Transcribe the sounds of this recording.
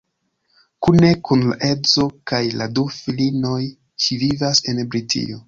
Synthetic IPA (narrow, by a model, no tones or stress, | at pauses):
kune̞kunla̰ʔe̞zo̞kajladufilino̞j | t͡ʃivivase̞nbɾitʰḭjo